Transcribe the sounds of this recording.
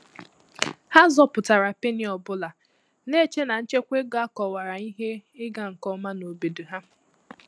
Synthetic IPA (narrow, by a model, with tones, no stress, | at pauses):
ha˦zɔ˦pʊ˨ta˨ɾa˨pe˦nɪ˨ɔ˨bʊ˦la˨ | ne˦t͡ʃe˦na˨n̩˦t͡ʃe˦kʷe˦ɡa˦kɔ˨wa˨ɾa˨i˦ɦe˦ɪ˦ɡa˦ŋ̩˨kɔ˦ma˦no˨be˨du˨ɦa˦